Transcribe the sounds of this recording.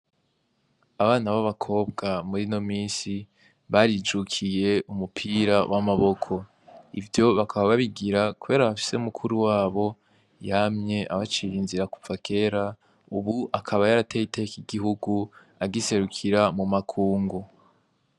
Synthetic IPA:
aβaːnaβaβakʰo̞ːbɡamuɾino̞miːsi | βaɾid͡ʒukʰije̞ʔumupʰiːɾawʔamaβo̞kʰo̞ | ḭvjo̞βakʰaβaβaβiɡiɾakuβe̞ːɾaβafi̥se̞umukʰuɾuwaːβo̞ | jamɲe̞ʔaβat͡ʃijinziɾaku̥v̥akʰe̞ːɾa | uβuʔakʰaβajaɾatejitekiɡiɦuɡu | aɡise̞ɾukʰiɾamumakʰuːŋɡo

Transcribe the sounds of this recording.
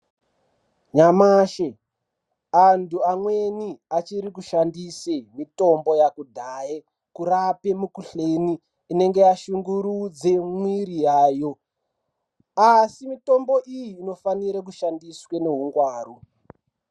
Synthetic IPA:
ɲamaːʃe | antuamweniat͡ʃiɾikuʃandisemito̞mbo̞jakudʱaːje | kurape̞mukuɬeniː | ne̞ŋɡe̞jaʃuŋɡuɾud͡ze̞mwiɾijaːjo̞ | asimito̞mbo̞ʔijiːno̞faniɾak̬uʃandiswene̞ɦuŋɡwaːru

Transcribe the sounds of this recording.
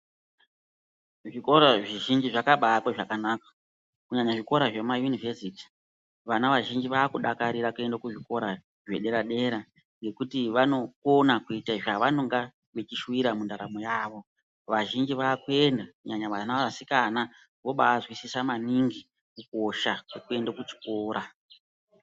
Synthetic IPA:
ʐikoɾaʐiʒind͡ʒiʐakaɓaːkwaʐakanakḁ | kuɲaɲaʐiko̞ɾaʐe̞majunivesiti̥ | ʋanaʋaʒind͡ʒiʋaːkuɗakaɾiɾakue̞ndakuʐiko̞ɾa | ʐe̞ɗe̞ɾaɗe̞ɾa | ŋɡe̞kutiʋano̞konakuitaiʐaʋano̞ŋɡa | ʋet͡ʃiʃwiɾamundaɾamo̞jaːʋo̞ | ʋaʒind͡ʒiʋaːkue̞ndakuɲaɲaʋanaaasikana | ʋo̞ɓaːzwisisamaniŋɡi | kuko̞ʃakwekue̞ndakut͡ʃi̥ko̞ːɾa

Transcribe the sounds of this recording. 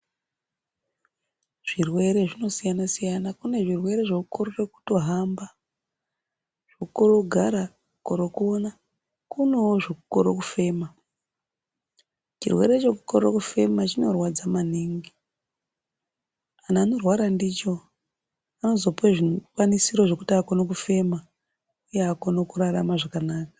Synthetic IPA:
ʐ̥irwe̞ɾe̞ʐino̞sijanasijanakune̞ʐirwe̞ɾe̞ʐokuko̞rot͡ʃe̞ku̥to̞ɦamba | ʐ̥okuko̞ɾoɡʱaɾa | koɾo̞kuona | kunowoʐokukoɾokufe̞ma | t͡ʃirwe̞̰ɾe̞t͡ʃe̞k̬uko̞ɾokufe̞mat͡ʃino̞rwad͡zamaniːŋɡi | anaːno̞rwaɾandit͡ʃo̞ | ano̞zo̞puweʐikwanisiɾo̞ʐo̞kutiakonok̬ufe̞ma | ujeakonokuraramaʐakanaːkḁ

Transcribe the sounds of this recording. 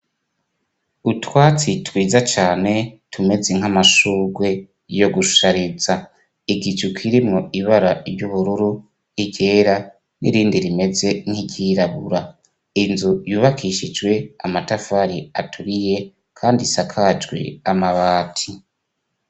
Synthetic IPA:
utwaːt͡sitwiːzat͡ʃaːne̞tʰume̞ze̞ŋ̥amaʃuːɡwe̞ | jo̞ɡuʃu̥ʃaɾeza | iɡit͡ʃukʰiɾimŋo̞iβaɾaɾɟuβuɾuɾu | iɟe̞ːɾa | nḭɾiːndiɾime̞ze̞ŋ̥hiɟiɾaβuɾa | inzujuːβakʰiʃid͡ʒɡwe̞amatafaɾiatʰuɾije̞ | kʰaːndisakʰad͡ʒɡwḛamaβaːtʰi

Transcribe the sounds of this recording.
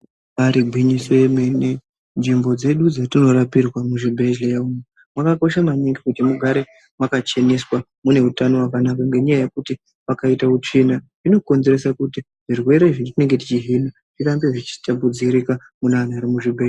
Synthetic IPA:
ʋaɾiɡʱwiɲiswemene | nd͡ʒimbo̞d͡ze̞ɗud͡zatino̞ɾapirwamuʐibʱeʒlejaume | mwakako̞ʃamaɲiŋɡikutimuɡʱaɾe̞ | mwakat͡ʃe̞ne̞swa | mune̞utano̞wakanakaŋɡe̞ɲajajekuti | ʋakaitaut͡ʃena | ino̞ko̞nze̞ɾe̞sakuti | ʐ̥irwe̞ɾeʐintine̞ŋɡe̞t̬it͡ʃiɦina | tirambeʐit͡ʃi̥tabud͡ziɾika | munan̤aɾimuʐibʱe

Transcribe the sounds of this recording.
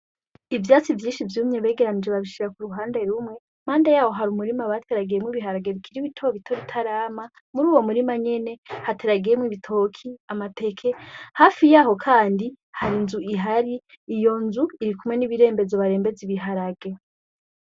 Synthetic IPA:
ivjaːt͡sivjiːnʃivjuːmɲeβe̞ːɡe̞ɾanid͡ʒeβaβiʃiɾakuɾuɦaːnde̞ɾumŋe̞ | m̥aːndejaːho̞ɦaɾumuɾimaβatʰeɾaɡijemwiβiɦaɾaɡeβikʰiɾiβitʰoβitʰo̞βitʰaɾaːma | muɾuːwo̞muɾimaɲe̞ne̞hatʰeɾaɡijemwiβitʰo̞ːkʰiamatʰe̞kʰehaːfijaːɦo̞kʰaːndi | haɾinzuiɦaɾiː | jo̞nzuiɾikumŋwe̞niβiɾe̞ːmbe̞zoβaɾe̞ːmbe̞ziβiɦaɾaɡe̞

